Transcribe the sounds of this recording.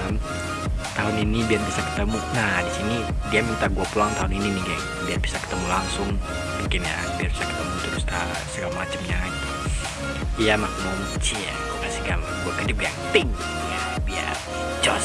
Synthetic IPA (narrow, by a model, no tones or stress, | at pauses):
m | t̪aɦʊninibiarbisakə̥t̪əmunahdisini | diammit̪aɡuapulaŋt̪aɦʊnininɪɡa | biarbisakə̥t̪əmulaŋsʊŋ | muŋkɪnja | biarbisakə̥t̪əmut̪əɾʊst̪a | səɡalmat͡ʃəmɲaɡit̪u | ijamakmomt͡ʃija̰ | kasikanɡuakədɪp̚ɡaŋt̪ɪŋ | ja | bia̰r | t͡ʃɔ̰